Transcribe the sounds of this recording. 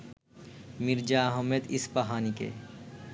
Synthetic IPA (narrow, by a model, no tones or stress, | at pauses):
mɪɾd͡ʒaɦɐmed̪ɪspɐɦaːnikḛ